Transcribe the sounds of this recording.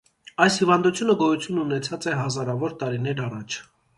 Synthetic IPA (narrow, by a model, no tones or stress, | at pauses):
ɑjshivɑnd̪ut͡sʰjunəɡɔjut͡sʰjununɛt͡sʰɑt͡sɛɦɑzɑɾɑvɔɾt̪ɑɾinɛɾɑrɑt͡ʃʰ